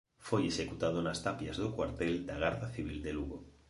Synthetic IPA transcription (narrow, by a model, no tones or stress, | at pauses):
fojesekut̪að̞onast̪apjazðokwaɾt̪eld̪aɣ̞aɾðaθiβ̞ild̪eluɣo